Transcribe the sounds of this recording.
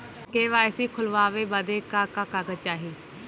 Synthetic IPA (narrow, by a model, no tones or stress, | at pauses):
keːʋaːɪsiːkʰʊlʋaːʋeːbəd̪eːkaːkaːkaːkət͡ʃaːɦiː